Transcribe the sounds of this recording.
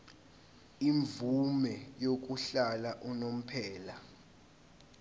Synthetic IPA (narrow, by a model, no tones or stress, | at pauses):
iɱvumɛjok̬uɬalaʔunom̩pʰɛːla